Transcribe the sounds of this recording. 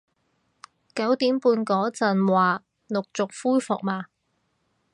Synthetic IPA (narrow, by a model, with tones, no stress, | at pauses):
kɐ˨˥wt̪iː˨˥mpuː˧nkɔː˨˥t͡sɐ˨nwaː˨˩ | nʊ˨k̚t͡sʊ˨k̚fuː˥jfʊ˨k̚maː˨˧